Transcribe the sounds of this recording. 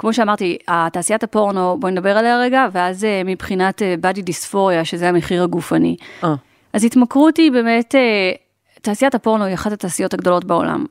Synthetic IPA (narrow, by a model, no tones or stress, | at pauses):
kmo̞ʃeamaʁtiataːsijatapo̞ʁno̞bo̞nedabe̞ʁaleaʁeɡaveazemipχinatebadidisfo̞ʁjaʃezeameχiʁhaɡufanḭ | ʔazitmakʁutibe̞ːmete | taːsijatapo̞ʁno̞iaχatataːsijo̞taɡdo̞lo̞tbeo̞̰la̰m